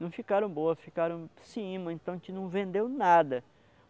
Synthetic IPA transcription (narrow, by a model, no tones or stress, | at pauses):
nɐ̃w̃fikaɾɐ̃w̃boɐsfikaɾɐ̃w̃sĩĩmɐẽnt̪ɐ̃w̃t͡ʃɪnɐ̃w̃vẽnd̪ewnad̪ɐ